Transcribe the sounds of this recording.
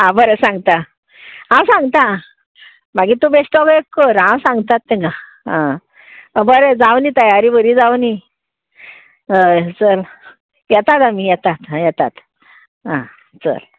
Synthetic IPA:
ɦãbəɾesãŋɡt̪a | ɦãwsãŋɡt̪a | maɡit̪ubesʈɔkekːəɾɦãwsãŋɡt̪at̪ːẽɡa | ã | bəɾed͡zawnit̪əjaɾibəɾiːd͡zawni | ət͡səl | jɛt̪at̪amijɛt̪at̪ãjɛt̪at̪ | ɦã | t͡sə̰l

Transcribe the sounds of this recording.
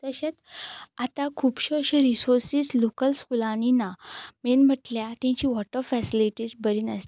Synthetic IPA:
t̪əɕat̪at̪akʰupɕoɕeɾisoɾsislokəlskulaninamenm̤əʈljat̪ãɲt͡ɕiːʋɔʈəɾfɛsiliʈiːd͡zbəɾiːnəst̪i̥

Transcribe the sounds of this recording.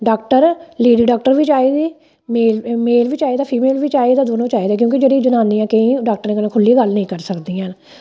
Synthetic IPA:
ɖaːkʈəɾleːɖiːɖaːk̚ʈəɾʋit͡ʃaːiːd̪iː | meːlmeːlʋiːt͡ʃaːeːd̪aːpʰiːmeːlʋit͡ʃaːeːd̪aːd̪oːnõːt͡ʃaːiːd̪aːkjõːkid͡ʒeːɽiːd͡ʒənãːnd̪ijãːkəĩːɖaːk̚ʈəɾneːkənãːkʰʊlːiːɡəlnəĩːkəɾsəkd̪iːãːn

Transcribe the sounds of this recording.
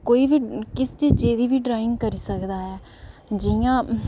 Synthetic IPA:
koːiːʋiːkɪst͡ʃiːd͡ʒeːd̪iːʋiːɖɾaːɪ̃ŋɡ̚kəɾiːsəkd̪aːɦɛː | d͡ʒɪjãː

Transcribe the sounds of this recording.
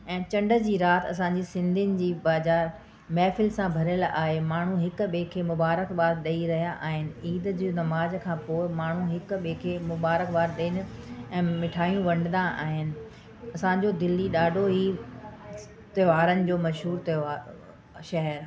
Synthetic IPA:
ɛ̃ːt͡ɕɐ̃ɳɖə̆d͡ʑiːɾaːt̪ʰɐ̰sãɲd͡ʑisɪ̃nd̪ʱɪnɪ̆d͡ʑiːbaːzaːɾ | mɛːfɪlsãbʱɐɾəla̰ːɦemaːɳ̤ũɦɪkɓeːkʰeːmʊbaːɾəkʋaːɾɗɐiɾɐɦijaʔaːɦɪnɪ̆iːd̪d͡ʑiːnɐmaːzkʰãːpoːɪmaːɳ̤uɦɪk̆ɓekʰeːmʊbaːɾəkʋaːɾɗeɪnɪ̆ɛ̃ːmɪʈʰaːijũʋɐ̃ɳɖɪ̃nd̪aʔa̰ːɦɪnɪ̆ | ɐsãd͡ʑoːd̪ɪlːiɗaːɖʱoɦiː | t̪ɐʋaːɾənɪ̆d͡ʑoːmɐʃɦuːɾt̪eaː | ʃɐɦɛɾ

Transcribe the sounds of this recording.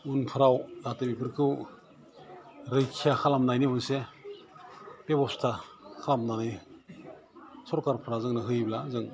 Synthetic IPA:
unpʰɯɾawdʱatɯbipʰɯɾkʰɯw | ɾɯjkʰijakʰalamnajniunse | b̥ebɔstʰakʰalamnanɯj | sɔɾkaɾpʰɯɾazɯŋnɯɦɯjblazɯŋ

